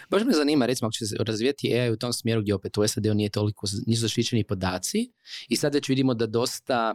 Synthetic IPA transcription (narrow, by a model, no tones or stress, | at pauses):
baʒemezaniːmaɾet̪imoakot͡ɕesɾazʋiːjat̪ieajeut̪o̞msmje̞ɾuɡdʲjeo̞pet̪uesad̪e̞unije̞t̪o̞likʰoniːs̬uzaʃt̪it͡ʃenipo̞d̪aːt̪siisad̪ʋe̞t͡ɕʋid̪imo̞d̪ad̪o̞st̪a